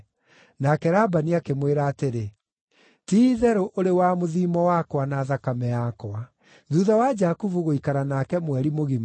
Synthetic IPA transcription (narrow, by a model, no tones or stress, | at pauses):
nakɛɾabaniakemweɾaːteɾe | tiðɛɾoʔoɾewamoðiːmɔwakwanaðakamɛjakwa | ðuðawad͡ʒakuvuɣoikaɾanakɛmwɛɾimoɣim